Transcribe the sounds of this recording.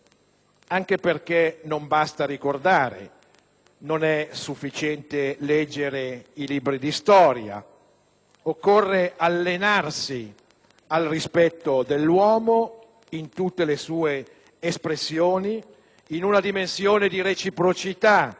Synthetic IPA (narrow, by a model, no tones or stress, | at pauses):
aŋk̟eperk̟enombast̪aɾikord̪aːɾḛ | nonɛsufːit͡ʃɛnt̪elɛd͡ʒːeɾeiliːbɾid̪ist̪ɔːɾja̰ | okːorːeʔalːenarsi | alrispɛt̪ːod̪elːwɔːmo | int̪ut̪ːelesuːeː | spɾesːjoːniː | nunad̪imensjoːned̪iɾet͡ʃipɾot͡ʃit̪a